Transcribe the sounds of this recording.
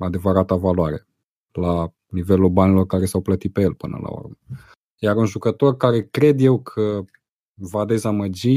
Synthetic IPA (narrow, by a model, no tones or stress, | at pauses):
ad̪e̞vəɾat̪avalwaɾe̞ | la | nive̞lulbanilo̞rkaɾe̞sawplət̪it̪̚pe̞jelpɨnə̰la̰o̞̰rmə | jaɾunʒukət̪o̞rkaɾe̞kɾe̞d̪je̞wkʰə | vad̪e̞zaməd͡ʒi